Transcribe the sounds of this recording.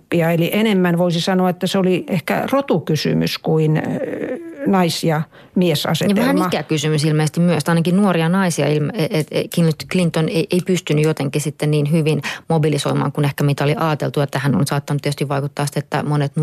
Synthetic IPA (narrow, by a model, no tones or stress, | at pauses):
pːiɑeliʔenemːænʋoisisɑnoɑet̪ːæseoliehkæ̰rot̪ukysy̰my̰skuin | nɑisiɑ | miesɑ̰setɑʋæhæmmɑkækysymysilmeːsest̪imyøst̪ɑˑinɑkinnuoriɑnɑisiɑ̰ilmeet̪ekint̪klint̪oneiʔeipyst̪ynyjot̪eŋkisit̪ːenniːnɦyʋinmobilisoimɑ̰ːŋkunehkæmit̪æoliʔɑːt̪elt̪uet̪ːæhænːo̰nsɑːt̪ːɑnt̪iest̪iʋʋɑikut̪ːɑːsit̪et̪ːæ̰monet̪n